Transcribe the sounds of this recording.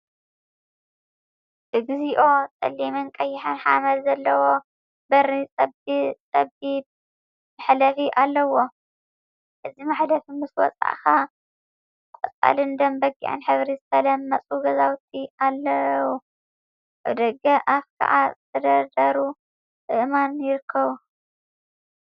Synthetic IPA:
tɨɡziʔo̞t̪ʼɐ̰lːimɨnkʼɐjːɪħanħamɐlzɐlːɐwo̞ | bɐɾit͡sʼɐbit͡s̪ʼɐbib̚ | mɨħlɐfiʔalːɐwo̞ | ʔɨzimaħlɐfimɨswɔ̰t͡sʼa̰ʔxa | kkʼɔt͡sʼa̰lɨnd̪ɐmbɐɡːḭʕɨ̰nħɨβɾizɨt̪ʰɐlɐmːɐt͡sʼuɡɐzawt̪ʰialːɐwu | ʔa̰βd̪ɐɡɐʔafkʰa̰ʕa̰zɨt̪ʰɐd̪ɐɾd̪ɐɾu | ʔɨʔmanjɪɾɨkʰːɐβu

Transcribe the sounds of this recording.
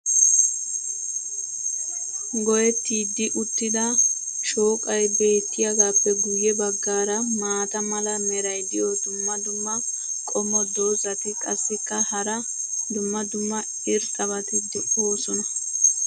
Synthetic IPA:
ɡɔjɛt̪ːiːd̪ːɪʔʊt̪ːɪd̪ɐ | ʃo̞ːkʼɐjbe̞ːt̪ːɪjɐɡaːpːɛɡʊjːɛbɐɡːaːɾɐmaːt̪ɐmɐlɐmɛɾɐjd̪ɪjɔd̪ʊmːɐd̪ʊmːɐ | kʼɔmːɔd̪oːzɐt̪ɪkʼɐsːɪkːɐhɐɾɐ | d̪ʊmːɐd̪ʊmːɐ | ɪɾsʼɐβɐt̪ɪd̪ʊʔoːsɔnɐ

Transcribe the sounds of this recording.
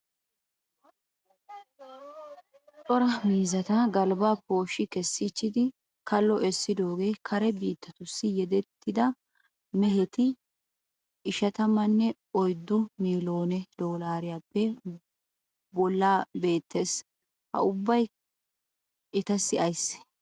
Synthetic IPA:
t͡sʼɔɾɐmiːzɐt̪ɐɡɐlbaːpo̞ːʃɪkɛsːɪt͡ʃːɪd̪ɪ | kʰɐlːɔʔɛsːɪd̪o̞ːɡe̞ːkʰɐɾɛbiːt̪ʰːɐt̪ʊsːɪjɛd̪ɛt̪ʰːɪd̪ɐ | mɛɦɛt̪ɪ | ʔɪʃɐt̪ɐmɐnːɛ | ɔjd̪ːʊmiːlo̞ːnɛd̪̥oːlaːɾɪjaːpːɛ | bɔlːaːbe̞ːt̪ːeːs | hɐ̰ʊbːɐj | ɪt̪ɐsːɪʔɐjs

